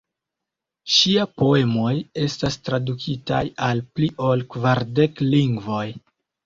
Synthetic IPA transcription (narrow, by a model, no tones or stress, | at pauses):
ʃiapo̞e̞mo̞je̞stastɾadukʰita̰jalpliʔo̞lkvaɾde̞kliŋɡvo̞j